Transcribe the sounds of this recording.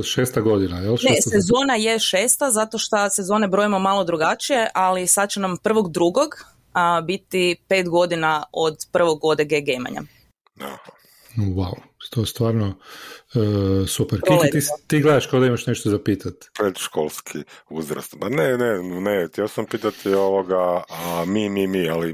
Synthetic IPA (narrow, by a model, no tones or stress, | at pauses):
ʃeːst̪aɡo̞d̪inajelʃnesezo̞ːnajeʃeːst̪azat̪o̞ʃt̪ase̞zo̞ːnebɾo̞imomalo̞d̪ɾuɡat͡ʃije̞ʔalisad̪̚t͡ɕenampr̩ʋo̞ɡd̪ɾuɡo̞ɡ | bit̪ipe̞ːt̪ɡo̞d̪inaod̪pr̩ʋoɡːo̞d̪eɡeɡejma̰ɲa̰ | a̰ha | wawu | t̪oest̪ʋaːɾnoː | supeɾkit̪it̪iːɡled̪aʃkod̪aimaʃneʃt̪ozapiːt̪at̪ʋetʃkolˠskʰiuzɾa̰st̪panenenet̪jɛosampiːt̪at̪ʰioʋoɡamimimiali